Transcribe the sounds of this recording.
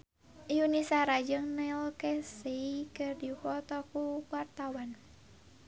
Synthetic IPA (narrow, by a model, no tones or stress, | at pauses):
ʔiunisaɾad͡ʒəŋnɛlkɛsikɨrdifɔt̪ɔkuwart̪awan